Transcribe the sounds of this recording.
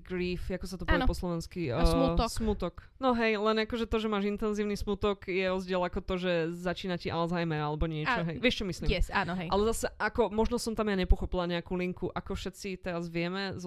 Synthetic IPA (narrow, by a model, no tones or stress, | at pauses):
ɡɾiːfakɔsat̪ɔpapɔslˠɔʋɛnskimusmut̪ɔk | nɔɦɛjlɛnakɔʒɛt̪ɔʒɛmaːʒint̪ɛnziːʊnismut̪ɔkjɛɾɔzɟɪɛlakɔt̪ɔʒɛzat͡ʃiːnaciʔalzajmɛɾalɛbɔɲɪɛt͡ʃɔɦɛjʋɪɛʃt͡ʃɔmisliːɛsaːnɔɦɛjalɛzasɛakɔmɔʒnɔsɔmt̪amjaɲɛpɔxɔpilaɲɛakuliŋkuʔakɔfʃɛt̪t͡sit̪ɛɾazʋɪɛmɛz